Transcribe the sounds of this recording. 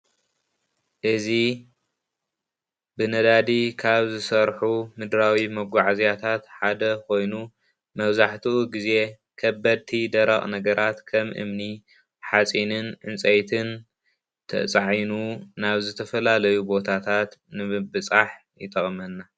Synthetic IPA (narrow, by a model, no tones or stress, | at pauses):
ʔɨzi | bɨnɐd̪ad̪ikʰaβzɨsɐɾħumɨd̪ɾawimɐɡʷaʕazjat̪ʰat̪ħad̪ɐkʰo̞jnu | mɐβzaħt̪ʰiʔuɡize̞ | kʰɐbːɐd̪̚t̪ʰid̪ɐɾɐχʼnɐɡɐɾʔat̪kʰɐmʔɨ̰mni | ħat͡sʼinɨnʔɨnt͡sʼɐjt̪ʰɨn | t̪ʰɐ̰t͡sʼaʕjnunaβzɨt̪ʰɐfɐlalɐjubo̞t̪ʰat̪ʰat̪nɨbɨt͡sʼaħ | jɪt̪ʰɐχʼmɐnːa